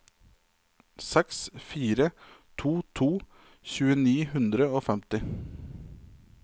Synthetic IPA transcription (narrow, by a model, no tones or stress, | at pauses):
sɛksfiːɾət̪ʰuːt̪ʰuː | çʉːəniːhʉnd̪ɾəoːfɛmt̪ɪ